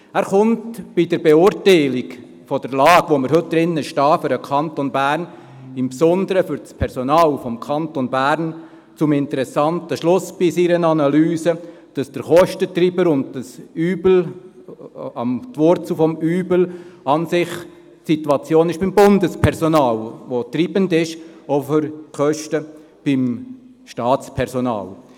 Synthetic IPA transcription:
æːɾχʊntb̥idəɾbeʊɾtaɪlik | fɔd̥əɾlɑːɡ̥ʋoːməɾɦɵt̚d̪̥ɾɪnːəʃtɑːfʏɾəkʰɑntonbæːɾn | ɪmpsɔnd̪əɾəfʏɾt͡spʰɛɾsɔnɑːlfɔmkʰɑntonbæːɾn | t͡sʊmɪntəɾɛsɑntəʃlʊsb̥isiɾənɑnɑlyːsəd̥ɑsd̥əɾχɔʃtətriːbəɾʊnddəsyːbl̩ | ɑ̰mtʋɔɾt͡sufɔmyːblɑnsɪχ | tsitwɑt͡sjoːnɪʃb̥ɪmbʊndəspʰɛɾsɔnɑːlʋotriːbəndɪʃoføɾkʰœʃtə | b̥ɪm | ʃtɑːt͡spʰɛɾsɔnɑ̰ːl

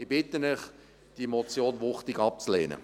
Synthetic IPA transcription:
ibɪtənɪχ | d̥imɔt͡sjoːnvʊχtɪɡɑp̚t͡slḛːnə̰

